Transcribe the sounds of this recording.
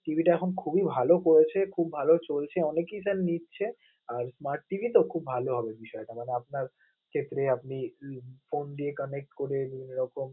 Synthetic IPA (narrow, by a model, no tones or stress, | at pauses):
ʈibʱiʈaɛkʰonkʰubibʱalokoɾet͡ɕʰekʰubːʱalot͡ɕolt͡ɕʰeɔnekisannitːɕʰe | aɾsmaɾʈːibʱit̪okʰubːʱaloɦɔbebiʃɔeʈ̪amaneapnaɾ | kʰet̪ːɾeapnifond̪iekənek̚ʈkoɾebineɾɔkom